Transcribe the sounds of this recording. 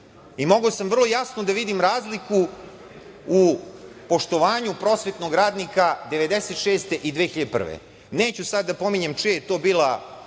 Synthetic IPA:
imo̞ɡosamvr̩lˠojasnod̪aʋid̪imɾaːzliku | upo̞ʃt̪o̞ʋaːɲupɾo̞sʋet̪no̞ɡɾaːd̪nikad̪e̞ʋe̞d̪eset̪ʃeːst̪e̞ʔid̪ʋeːxiʎad̪epr̩̰ʋḛ | ne̞ːt͡ɕusad̪ːapo̞miɲemt͡ʃiejet̪o̞ːbiːlˠa

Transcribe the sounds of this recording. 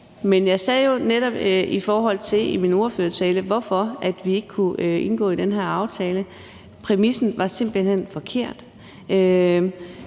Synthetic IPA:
menjɑ̈ɪsɛːjo̝neɾ̥ɒ̽b̥ifɒːɦɒ̽l̰t͡sʰe̝limino̝ɐføːɐt͡sʰɛːləʋɒfɒ̽æd̥ʋie̝ɡ̥əkʰuʔe̝nɡ̥ɔ̰ːid̥enɦeɐɑ̈ʊt͡sʰɛːlə | pʰʁɛmisn̩ʋɑ̈se̝m̰b̥l̩hen̰fɒ̽kʰe̝ɐ̰d̥ | ʔø

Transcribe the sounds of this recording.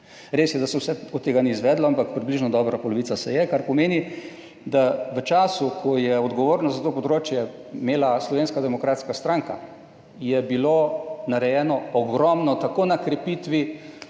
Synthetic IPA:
ɾeːsjɛd̪asɛwsɛɔd̪ːeːɡaniːzʋɛːd̪lɔampakpɾibliʒnɔd̪ɔːbɾapɔlɔʋit̪sasɛjɛkaɾpɔmeːni | d̪aʋət͡ʃaːsukʰɔjɛɔd̪ɡɔʋoːɾnazat̪oːpɔd̪ɾoːt͡ʃjɛmeːlaslɔʋeːnskad̪ɛmɔkɾaːt̪skast̪ɾaŋka̰ | jɛbilonaɾɛjɛːnɔɔɡɾɔmnɔt̪akoːnakɾɛpit̪ʋi

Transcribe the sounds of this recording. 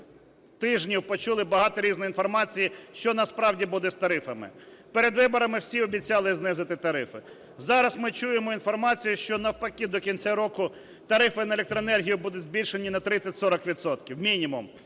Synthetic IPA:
t̪ɪʒnʲiwpɔt͡ʃulˠɪbɐɦɑt̪ɔɾʲiznɔjinfɔrmɑt͡sʲijiʃt͡ʃɔnɐspɾɑwdʲibud̪ɛst̪ɐɾɪfɐmɪ̰peɾed̪ʋɪbɔɾɐmɪwsʲiɔbʲit͡sʲɑlˠɪznɪzɪt̪ɪt̪ɐɾɪfɪ | zɑɾɐsmɪt͡ʃujemɔinfɔrmɑt͡sʲijʊʃt͡ʃɔnɐwpɐkʲid̪ɔkʲinʲt͡sʲaɾɔkʊ | t̪ɐɾɪfɪnɐelʲek̚t̪ɾɔenɛrɦʲijʊbud̪ʊdʲzʲbʲilʲʃe̞nʲinɐt̪ɾɪt͡sʲːɐtʲsɔɾɐkʋʲit̪sɔt̪kʲiwmʲinʲimʊm

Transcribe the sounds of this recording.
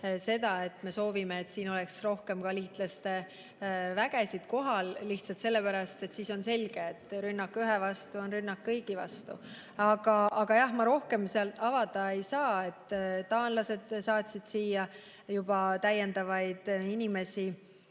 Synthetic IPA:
se̞d̪̥ɑe̞t̪ːˑme̞so̞ːvime̞ːt̪siːno̞lɛksro̞hke̞mkɑliːt̪lɑst̪e̞ | væɡ̥esid̪̥ko̞ɦɑlːiht̪sɑlt̪se̞lːe̞pæɾɑst̪e̞t̪siːso̞nse̞lɡ̥e̞ːt̪ːˑɾynːɑkːˑyɦevɑst̪uo̞nrynːɑkːɤjɡivɑ̰st̪ṵ | ɑɡ̥ɑʔɑɡ̥ɑjɑhmɑɾo̞hke̞mseɑlt̪ːˑɑvɑd̪ɑe̞jsɑːe̞t̪ːt̪ːɑːnlɑse̞d̪̥sɑːt̪ʲsid̪̥siːjɑ | jub̥ɑt̪æjend̪ɑvɑjd̪̥inime̞si

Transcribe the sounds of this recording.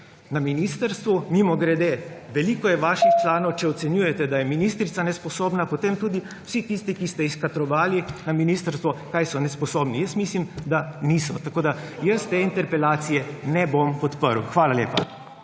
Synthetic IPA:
naminist̪əɾst̪ʋumimɔɡɾɛd̪eːʋɛliːkɔjɛʋaːʃixt͡ʃlaːnɔwt͡ʃɛɔt̪sɛnjujɛt̪ɛd̪ajɛminist̪ɾit̪sanɛspɔsoːbnapot̪eːmt̪uːd̪i | w̥sit̪ist̪ikist̪ɛiskat̪ɾɔʋaːlinaminiːst̪əɾst̪ʋɔkajsɔnɛspɔsoːbnijəsmislimd̪aniːsɔ̰t̪akoːd̪ajəst̪eint̪ɛɾpɛlaːt̪sijɛnɛbompɔt̪pəɾw̰xʋaːlalḛːpa̰

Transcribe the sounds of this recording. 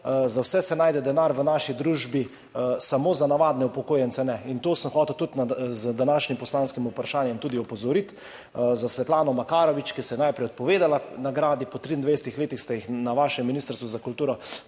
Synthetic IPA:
zawsɛsɛnajd̪ɛd̪ɛnaɾʋənaːʃid̪ɾuːʒbi | samoːzanaʋaːd̪nɛupɔkoːjɛnt̪sɛnɛint̪oːsəmxɔːt̪ɛwt̪ut̪nzd̪anaːʃnimpɔslaːnskimupɾaʃaːnjɛmt̪uːd̪iɔpɔzɔɾit̪ | zasʋɛt̪laːnɔmakaːɾɔʋit͡ʃkisɛjɛnajpɾɛjɔt̪̚pɔʋeːd̪alanaɡɾaːd̪ipɔt̪ɾiːnd̪ʋesɛt̪ixleːt̪ixst̪ajixnaʋaːʃɛmːinist̪əɾst̪ʋuzakult̪uːɾɔ

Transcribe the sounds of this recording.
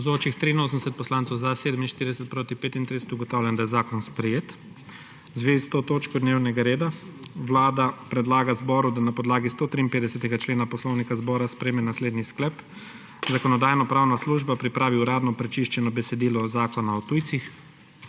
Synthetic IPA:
ɔzoːt͡ʃixt̪ɾiːnoːsənd̪ɛsɛt̪̚pɔslansɔwzaseːd̪əminʃt̪iɾid̪ɛsɛt̪̚pɾoːt̪ipeːt̪int̪ɾisɛ̥t̪uɡɔt̪awlʲjɛnd̪ajɛzaːkɔnspɾɛjeːt̪ | zʋeːzist̪ot̪oːt͡ʃkɔd̪newnɛɡaɾeːd̪aʋlaːd̪apɾɛd̪laːɡazbɔɾud̪anapɔd̪laːɡist̪oːt̪ɾiːnmpeːd̪ɛsɛt̪ɛɡat͡ʃleːnapɔslɔwnikazbɔːɾaspɾɛmɛnasleːd̪nisklɛp | zakɔnɔd̪aːjnɔpɾaːwnasluʒbapɾipɾʔaːʋiuɾaːd̪nɔpɾɛt͡ʃiʃt͡ʃɛnɔbɛsɛd̪iːlɔzaːkɔnaɔt̪uːjt̪six

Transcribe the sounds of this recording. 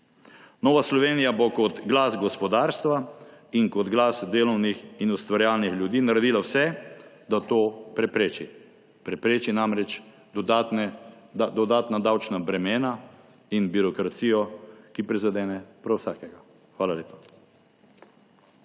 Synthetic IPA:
noːʋaslɔʋeːnijabɔkɔt̪ɡlaːsɡɔspɔd̪aːɾst̪ʋaiŋkɔd̪ɡlaːsd̪eːlɔwnixinust̪ʋaɾjaːlnixljud̪iːnaɾɛd̪iːlawsɛ | d̪at̪oːpɾɛpɾeːt͡ʃi | pɾɛpɾeːt͡ʃinamɾɛt͡ʃ | d̪ɔd̪at̪nɛad̪ɔd̪aːt̪nad̪awt͡ʃnabɾɛmeːna | inbiɾɔkɾat̪siːjɔkipɾizad̪ɛːnɛpɾɔwsaːkɛɡa | xʋaːlaleːpḁ

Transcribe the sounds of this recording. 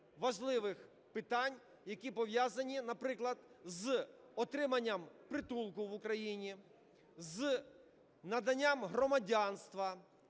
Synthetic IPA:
ʋɐʒlˠɪʋɪx | pɪt̪anʲ | jɐkʲipɔʋjazɐnʲinɐpɾɪklˠɐd̪zɔt̪ɾɪmɐnʲːɐmpɾɪt̪ulˠkʊʋʊkɾɐjinʲi | z | nɐd̪ɐnʲːamɦɾɔmɐdʲanst̪ʋɐ

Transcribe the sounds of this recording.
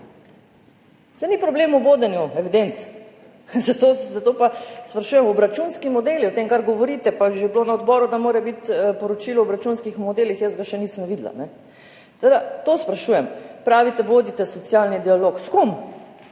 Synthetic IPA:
sɛnipɾɔbleːmuʋoːd̪ɛnjuɛʋid̪ent̪s | zat̪ozat̪opaspɾaʃuːjɛmɔbɾat͡ʃunskimɔd̪eːliɔt̪emkaɾɡɔʋɔɾiːt̪ɛpaʒebloːnaɔd̪bɔːɾud̪amoːɾɛbit̪pɔɾɔt͡ʃilɔɔbɾat͡ʃunskixmɔd̪elixjəsɡaʃɛnisəmʋiːd̪la̰nɛ | t̪od̪at̪ospɾaʃuːjɛmpɾaːʋit̪ɛʋoːd̪it̪ɛsɔt̪sijalnid̪ialoːkskum

